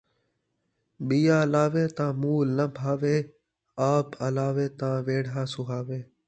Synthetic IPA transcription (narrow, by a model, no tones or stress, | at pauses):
ɓijaːlaːʋeːt̪ãːmuːlːə̃bʱaːʋeː | aːpəlaːʋeːt̪ãːʋeːɽaːsʊɦaːʋeː